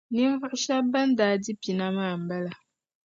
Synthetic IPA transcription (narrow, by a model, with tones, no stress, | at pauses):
ni˦ɱ˦və˦ʔʃa˦ba˦n˦daː˨˦di˦pi˨na˦maː˦˨m̩˨bɛ˦la˨